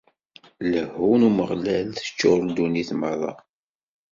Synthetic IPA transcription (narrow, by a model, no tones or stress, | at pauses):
ləhunuməʁlælθə̥t͡ʃːʊɾld̪uniθməðˤɑ̰